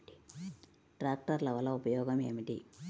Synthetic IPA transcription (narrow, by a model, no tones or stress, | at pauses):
i̥ | ʈɾaːk̚ʈɐɾlɐʋɐlːɐupɐjɔːɡɐme̞ːmiʈḭ